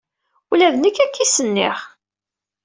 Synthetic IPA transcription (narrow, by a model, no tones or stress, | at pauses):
ulæðənəkːækːisənːɪ̰ʁ